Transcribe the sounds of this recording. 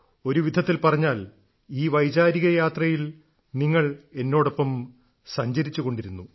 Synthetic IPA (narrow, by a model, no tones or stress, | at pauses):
o̞ɾuʋid̪ʱɐt̪ːilpɐrɐɲːaːl | iːʋɐjd͡ʑaːɾiɣɐjaːt̪rɐjil | niŋːɐɭe̞nːo̞ːɽo̞pːɐm | sɐɲd͡ʑɐɾit͡ɕːuɣo̞ɳɖiɾunːu